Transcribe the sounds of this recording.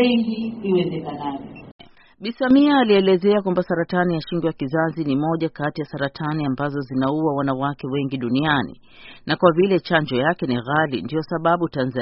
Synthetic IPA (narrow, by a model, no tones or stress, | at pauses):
iɡiiwɛzɛkanavɔ | ɓisamiaːliɛlɛzɛakwambasaɾatanijaʃiŋɡwɛjakizazinimɔʄakatijasaɾatʰaniambazɔzinauwawanawakɛwɛŋɡiɗunianḭ | nʔakwavilɛt͡ʃaɲd͡ʒɔjakɛniɣalḭndijɔsaɓaɓutanz